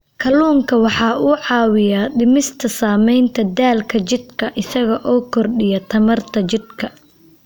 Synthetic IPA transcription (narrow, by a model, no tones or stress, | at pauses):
kʰɐluːŋkʰɐwɑħɑːuːʕɑːwɪjaɖɪmɪst̪ʰɐsaːmɛjnt̪ʰɐd̪aːlkʰɐt͡ʃɪd̪kʰɐʔɪsɐɣɐʔɔːkʰɔrɗɪjɐt̪ʰɐmɐrt̪ʰɐt͡ʃɪd̪kʰɐ